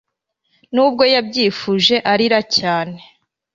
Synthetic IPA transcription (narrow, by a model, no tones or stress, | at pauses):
nuːb̚ɡo̞jabɟiːfuʒe̞ʔaɾiɾacaːne̞